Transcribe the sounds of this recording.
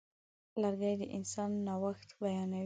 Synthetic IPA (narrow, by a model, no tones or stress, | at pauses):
laɾɡajd̪əʔɪnsɑnːawaxt̪bajɑnawi